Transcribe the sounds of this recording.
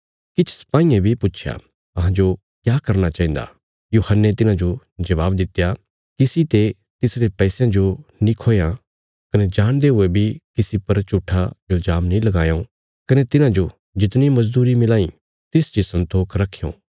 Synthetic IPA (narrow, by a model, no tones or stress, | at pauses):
kɪt͡ʃʰsɐ̥paːĩːẽbʱipʊːʃʰja̰ | ɐɦãd͡ʒo | kjaːkɐɾnat͡ʃaːĩːnd̪a̰ | juːhənːet̪ɪnãd͡ʒo | d͡ʒɐʋaːbd̪ɪt̪ːja | kɪsit̪e | t̪ɪsɾepɛːsjãd͡ʒonĩkʰoːjã | kɐned͡ʒaːɽ̃d̪eɦʊebʱikɪsipɐɾt͡ʃuʈʰːaɪld͡ʒaːmnĩlɐɡãːjo | kɐnet̪ɪnãd͡ʒo | d͡ʒɪt̪nĩmɐzd̪uːɾimɪlaːĩ | t̪ɪsd͡ʒisɐ̃nt̪oːkʰɾɐkʰːejõ̰ː